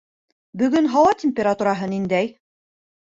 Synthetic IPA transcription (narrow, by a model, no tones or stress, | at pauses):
bɵ̆ɡɵnɦɑwɑtʲemʲpʲeɾat̪uɾɑɦɤnind̪æj